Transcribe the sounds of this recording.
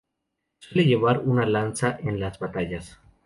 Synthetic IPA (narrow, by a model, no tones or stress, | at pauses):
sweleʝe̞βaɾunalansaʔenlazβat̪aʎas